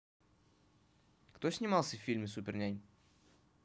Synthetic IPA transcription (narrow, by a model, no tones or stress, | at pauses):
kt̪osʲnʲɪmalˠsʲəfʲfʲilʲmʲɪsupʲɪrnʲajʲ